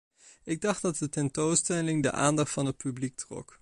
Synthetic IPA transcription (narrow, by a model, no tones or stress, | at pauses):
ɪɡ̚dɑχddɑt̚dətɛntowstɛlɪŋdə̰ʔa̰ːndɑχtfɑnɦət̚pyblik̚trɔ̰k